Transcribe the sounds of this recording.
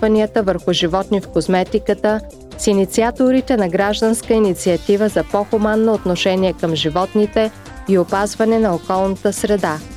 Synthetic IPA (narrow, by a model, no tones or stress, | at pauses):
vɐniət̪əvəɾxʊʒivɔt̪nifkosmɛt̪ikət̪ə | sinit̪siat̪oɾit̪ɛnɐɡɾaʒd̪ənskəinit̪siɐt̪ivəzɐpɔxumanːoːt̪noʃɛniɛkəmʒivɔt̪nit̪ɛ | iopazvɐnɛnɐokɔlˠnət̪əsɾɛd̪a